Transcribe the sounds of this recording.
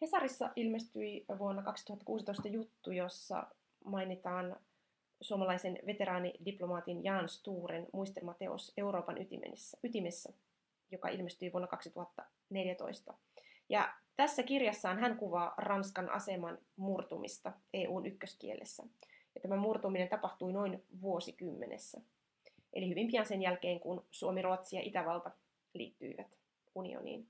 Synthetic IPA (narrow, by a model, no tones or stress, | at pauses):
he̞sɑɾisːɑ̰ʔilme̞st̪yiʋuonːɑkɑksi̥t̪u̥hɑt̪ːɑkuːsit̪o̞ist̪ɑjut̪ːujo̞sːɑ̰ | mɑjnit̪ɑːn | suomɑlɑjse̞nʋe̞t̪e̞ɾɑːnḭdiplo̞mɑːt̪injɑːnst̪uːɾenmuist̪elmɑt̪e̞o̰se̞uɾo̞ːpɑnʔyt̪ḭmḛnsːyt̪ime̞sːæ | jokɑ̰ʔḭlmest̪yiʋuonːɑkɑksit̪uhɑt̪ːɑ | neljæt̪o̞̰ist̪ɑ | jɑ̰t̪æsːækirjɑsːɑːnɦæŋkuʋɑːrɑnskɑnʔɑ̰se̞mɑnmurt̪umʔḭst̪ɑeːʔuːnʔykːøskḭe̞̰lʔḛsːæ̰jɑt̪æmæmurt̪uminet̪ɑpɑht̪uino̞inʋuo̞sikymːenḛsːæ | ʔe̞lihyʋimpiɑnse̞njælke̞ːŋkunsuomiruɑt̪siɑ̰ʔit̪æʋɑlt̪ɑ | lḭːt̪ːy̰iʋæt̪ | unḭo̰nḭːn